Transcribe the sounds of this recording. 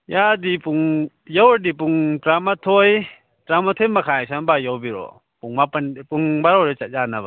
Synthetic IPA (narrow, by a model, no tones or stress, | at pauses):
jadipuŋ | jawdip̬uŋtɾamatʰɔj | tɾamatʰemakʰajsanbajɔwbiɾɔ̰ | puŋmapanpuŋbaɾɔwɾɛt͡ʃat̚d͡ʒanaba